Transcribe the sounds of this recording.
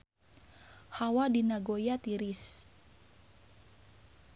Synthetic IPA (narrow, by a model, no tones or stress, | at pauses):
hawadinaɡojat̪iɾis